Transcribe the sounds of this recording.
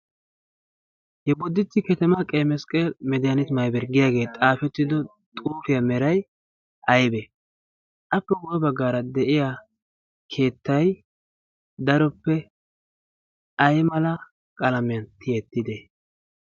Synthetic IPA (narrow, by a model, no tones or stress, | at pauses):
hɛbɔd̪ːɪt̪ːɪkɛt̪ɛmɐkʼemɛskʼelmɛd̪ɪjanɛt̪mɐjbɛɾɡɪjaːɡe̞ːt̪ʼaːfɛt̪ːɪd̪ɔ | t̪ʼuːfɪjɐmɛɾɐj | ɐjbɛ | ʔɐpːɛɡɔdɔbɐɡːaːɾɐd̪ɛʔɪja | kʰe̞ːt̪ːɐj | d̪ɐɾɔpːɛ | ʔɐjmɐlɐ | kʼɐlɐmɪjɐnt̪ʰɪɛt̪ːɪd̪ɛ